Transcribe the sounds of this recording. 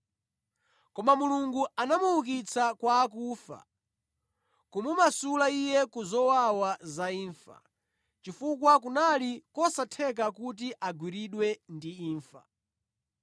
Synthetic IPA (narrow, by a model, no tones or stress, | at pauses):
kɔmamuluŋɡuanamuuk̬it͡sʰakwaːk̬uːfa̰ | kumumasulaijɛkuzɔwawazaiːɱfa̰ | t͡ʃifuk̬wak̬unalikɔsatʰɛk̬akut̬iʔaɡwiɾiɗwɛndiiːɱfa̰